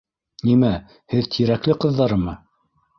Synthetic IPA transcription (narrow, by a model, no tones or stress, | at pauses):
nimæ | hɘðt̪ʰiɾæklɘqɤ̆ðːɑɾɤmɤ